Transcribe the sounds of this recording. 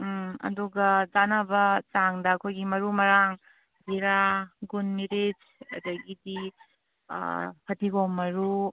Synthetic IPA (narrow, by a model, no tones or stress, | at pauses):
ɐ̰duɡɐd͡ʒanɐbɐt͡ʃaŋdɐːkʰojɡimɐɾumɐɾaŋ | biɾaɡunmiɾid͡ʒ | ɐ̰dɐɡidḭ | pʰɐtiɡoŋmːɐɾu